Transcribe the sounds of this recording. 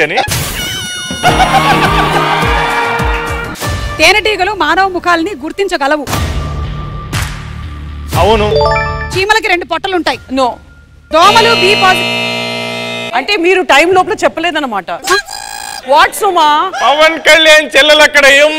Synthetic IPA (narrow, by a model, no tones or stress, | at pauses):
ɐni | t̪eːnɐɖiːɡɐlumaːnɐʋɐmukʰaːlɐniɡuɾt̪iɲt͡ʃɐɡɐlɐʋu | ɐwunut͡ʃiːmɐlɐk̬iɾe̞ɳɖupɔʈːɐluɳʈaːjinoː | d̪ɔːmɐlubiːpaːt | ɐɳʈe̞ːmiːɾuʈɐjmloːp̬lɐːt͡ʃɛpːɐleːd̪ɐnːɐmaːʈɐ | ʋaːʈsumaːpɐʋɐnkɐljaːnt͡ʃɛlːɐlɐkːɐɽɐjum